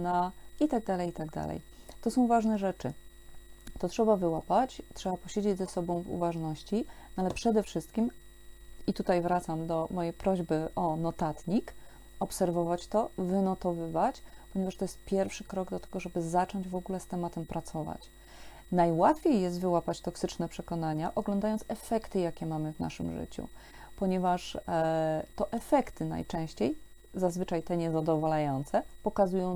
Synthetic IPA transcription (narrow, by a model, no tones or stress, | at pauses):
nait̪aɡ̚d̪alɛjit̪aɡd̪a̰lɛ̰j | t̪ɔsɔ̃w̃vaʐnɛʐɛt͡ʂɘ | t̪ɔtʂɛbavɘwapat͡ɕtʂɛbapɔɕed͡ʑed͡ʑʲzɛsɔbɔ̃w̃vṵvaʐnɔɕt͡ɕinalɛpʂɛd̪ɛfʂɘst̪kʲim | it̪ut̪ajvɾat̪samd̪ɔmɔjejpɾɔʑbɘʔɔnɔt̪at̪ɲik | ɔpsɛɾvɔvat͡ɕt̪ɔvɘnɔt̪ɔvɘvat͡ɕpɔɲɛvaʂt̪ɔjɛst̪̚pʲjɛɾfʂɘkɾɔɡd̪ɔt̪ɛɡɔʐɛbɘzat͡ʂɔɲd͡ʑvɔɡulɛst̪ɛmat̪ɛmpɾat̪sɔva̰t͡ɕ | najwat̪fʲejːɛs̬t̪vɘwapat͡ɕt̪ɔksɘt͡ʂnɛpʂɛkɔnaɲaʔɔɡlɔ̃nd̪ajɔnt̪sɛfɛkt̪ɘjakʲɛmamɘvna̰ʂɘ̰mʐɘ̰t͡ɕṵ | pɔɲɛvaʂ | t̪ɔʔɛfɛkt̪ɘna̰jt͡ʂɛ̃w̃ɕt͡ɕej | zazvɘt͡ʂajt̪ɛɲɛzad̪ɔvɔlajɔnt̪sɛpɔkazujɔ̃w̃